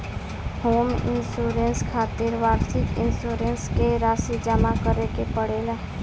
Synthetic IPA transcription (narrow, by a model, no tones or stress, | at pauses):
hoːmɪ̰nsuːɾenskʰaːt̪ɪɾʋaːɾsɪkɪ̰nsuːɾenskeɾaːsid͡ʒamakəɾekepəɽeːlaː